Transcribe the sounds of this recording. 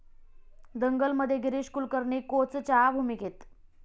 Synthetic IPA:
d̪əŋɡəlməd̪ʱːjeɡiɾiɕkuːlkəɾɳikot͡st͡ɕabʱumiket̪

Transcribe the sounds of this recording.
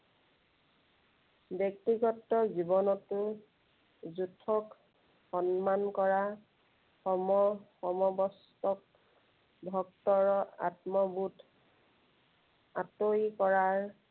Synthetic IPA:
bjɔk̚tiɡɔtːɔzibɔnɔtʊ | zutʰːɔk | xɔnmankɔɹa | xɔmɔxɔmɔbɔs | tɔk̚ | bʱɔk̚tɔɹɔa̰tmɔbut | atojkɔɹaɹ

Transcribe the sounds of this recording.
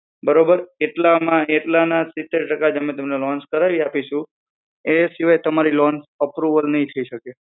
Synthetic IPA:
bəɾobəɾeʈlamãeʈlanasɪt̪ːeɾʈəkad͡ʒəmet̪əmnelɔ̃nskəɾaʋiapiʃũ | esiʋajt̪əmaɾilɔ̃nsəpɾuʋəlnəɦĩt̪ʰəiʃəke

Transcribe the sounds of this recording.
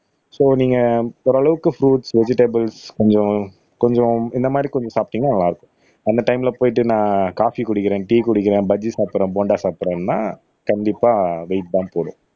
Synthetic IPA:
soːniːŋɡɐɔɾɐɭɐʋɯkːɯfɾuːʈsʋɛd͡ʒɪʈebɐlskɔɲd͡ʒɔ̃ | kɔɲd͡ʒɔ̃ɪnd̪ɐmaːd̪ɾikɔɲd͡ʒɔ̃saːp̚ʈːɪŋɡɐnɐlːãːɪɾɯkːʊ̥̃ | ɐnd̪ɐʈɐɪmɪlɐpoːjɪʈ̬ːɯnãːkaːfikʊɽɪkːɪɾẽːʈiːkʊɽɪkːɪɾẽːbɐd͡ʒisaːpːɾẽːboːɳɖaːsaːpɾẽːnna̰ː | kɐɳɖɪpːaːʋeɪʈ̚d̪ãːpoːɽʊ̃

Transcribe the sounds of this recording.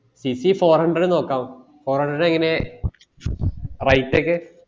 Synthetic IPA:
sisifoːrhɐɳɖrɐɽɨno̞ːkːaːʋu | fo̞ːrhɐɳɖɐɽɨeŋːɐne̞ | rɐjtːeːkːɨ

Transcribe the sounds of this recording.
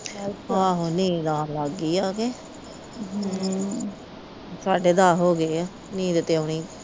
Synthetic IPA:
aːɦoːnĩːd̪aːlaɡiːaːkeː | saːɖeːd̪aːɦoːɡeːaː | nĩːd̪ɪt̪ːeonĩː

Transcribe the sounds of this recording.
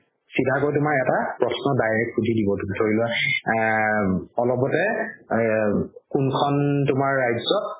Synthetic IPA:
sidʱakojtʊmaɹɛtapɹɔsnɔdajɹɛkxudʱidibɔtutʰoɹilʊa | ɔlɔpɔtɛ | kunkʰɔntʊmaɹːajzɔt̚

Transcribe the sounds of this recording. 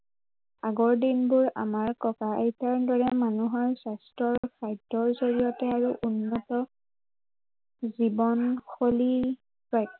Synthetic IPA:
aɡɔɹdinbʊɹa̰maɹkɔkaejtaɹdɔɹɛmanuɦɔɹsastɹɔɹkʰajdɔɹzoɹijɔtɛaɹuʔunːɔtɔ | zibɔnxoli | pɹajk̚

